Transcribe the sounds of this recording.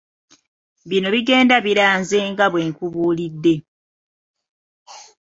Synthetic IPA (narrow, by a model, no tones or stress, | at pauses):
βino̞βiɡe̞ːndaβiɾaːnzeŋɡaβwe̞ːŋkuβuːlidːe̞